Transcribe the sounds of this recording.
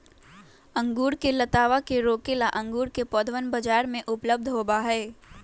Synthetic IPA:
ə̃ŋɡuːɾkelɐt̪aːʋakeɾoːkelaʔɐ̃ŋɡuːɾkepɔːd̪ʋənbəd͡ʒaːɾmẽʔʊpləb̚d̪ʱɦoːbaɦɛː

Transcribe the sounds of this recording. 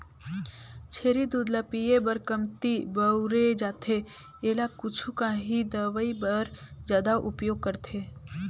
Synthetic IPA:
t͡ʃʰeːɾid̪uːd̪lapijebəɾkəmt̪ibəʊɾed͡ʒaːt̪ʰe | eːlakʊt͡ʃʰukaɦid̪əʋəibəɾd͡ʒjaːd̪aʔʊpjoːɡ̚kəɾt̪ʰeː

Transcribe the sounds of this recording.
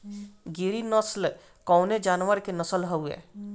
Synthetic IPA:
ɡiɾinəsl | kɔːned͡ʒaːnʋəɾkenəsəlɦəuɛ̰ː

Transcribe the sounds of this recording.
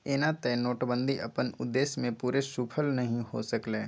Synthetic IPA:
eːnat̪ɛnoːʈbə̃nd̪ʱiʔɐpənʊ̰d̪ːeːsmẽpuːɾesuːpʰəlnɐɦĩho̰səkleː

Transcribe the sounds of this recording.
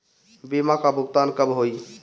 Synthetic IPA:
bimakabʱuɡt̪ankəbɦoi

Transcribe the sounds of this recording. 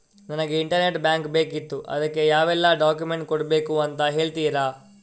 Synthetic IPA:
nɐnɐɡe̞iɳʈɐɾne̞ʈbjaːŋkbe̞ːkit̪ːuʔɐ̰d̪ɐkːe̞jaːʋɛlːɐɖaːkjume̞ɳʈ̚koɽbe̞ːkuɐnt̪ɐɦe̞ːɭt̪iːɾa

